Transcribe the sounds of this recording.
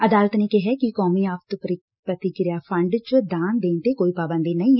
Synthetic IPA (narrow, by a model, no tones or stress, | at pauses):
əd̪aːlət̪neːkɪɦɛkɪkɔːmiːaːpt̪pɾ | pɾət̪ɪkɪɾjaːpʰəɳɖt͡ʃʊd̪aːnd̪eːnt̪eːkoːiːpaːʋə̃nd̪eːnəĩː